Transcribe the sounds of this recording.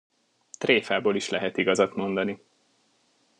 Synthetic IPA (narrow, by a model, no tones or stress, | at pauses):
t̪reːfaːboːliʃlɛɦɛt̪iɡɒzɒt̪mo̞nd̪ɒni